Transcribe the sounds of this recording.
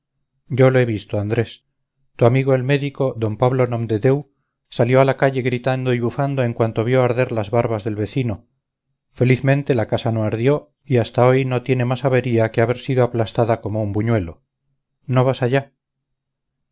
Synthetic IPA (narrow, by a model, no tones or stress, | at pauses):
ɟ͡ʝo̞loe̞βist̪oand̪ɾe̞s | t̪uamiɣo̞elme̞ðiko̞ðo̞mpaβlo̞nõmd̪eðe̞w | saljo̞alakaʎe̞ɣɾit̪and̪oiβufand̪o̞e̞ŋkwant̪o̞β̞jo̞aɾðe̞ɾlazβaɾβazðe̞lβe̞θino̞ | fe̞liθmẽ̞nt̪e̞lakasano̞aɾðjo̞ | iast̪ao̞jno̞t̪je̞ne̞masaβe̞ɾiakeaβeɾsiðoaplast̪aðako̞moumbuɲwe̞lo̞ | no̞β̞asaʝa